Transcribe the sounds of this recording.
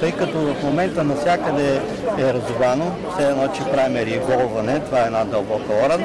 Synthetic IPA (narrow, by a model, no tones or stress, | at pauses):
t̪əjkɐt̪ɔvɐfmomɛnt̪ənɐsʲjakəd̪ɛ | ɛɾɐzubano | sɛɛnɔt͡ʃipɾamɛɾibɔlˠvɐnɛt̪ovaɛɛdnad̪ɐlˠbɔkəɔɾə